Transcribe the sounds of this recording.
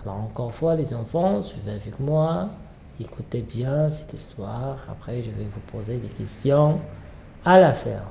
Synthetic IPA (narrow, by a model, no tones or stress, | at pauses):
alɔ̰ʁɑ̃kɔʁfwalezɑ̃fɑ̃sɥivɛavɛkmwa | ekut̪ɛbjɛ̃sɛ̥t̪ist̪waʁa̰pχɛʒəvɛvupʰozed̪ekʲɛst̪jɔ̃ | alafɛ̰ːʁ